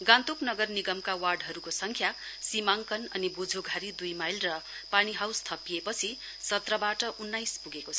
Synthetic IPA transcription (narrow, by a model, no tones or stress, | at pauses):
ɡãnt̪oknʌɡʌrniɡʌmkawarɖɦʌɾukosʌŋkʰja | simaŋkʌnʌnibud͡zʱoɡʱaɾid̪ujmajlrʌ | paniɦawst̪ʰʌpiepʌt͡sʰi | sʌt̪rʌbaʈʌʔunːajspuɡekot͡sʰʌ